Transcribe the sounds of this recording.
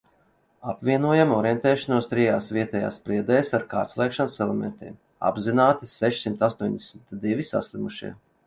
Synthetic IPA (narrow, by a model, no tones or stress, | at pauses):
apvʲiɛnuɔjamɔɾjɛnt̪ɛːʃanuɔst̪ɾijaːsviɛt̪ɛja̰ːsːpɾiɛd̪ɛːsaɾka̰ːɾt̪slˠɛkʃansɛlˠɛmɛ̰nt̪ḭɛm | a̰bzinaːt̪iseʃsimt̪ast̪uɔɲʲd̪esmit̪d̪ivʲisa̰slʲˠimuʃḭɛ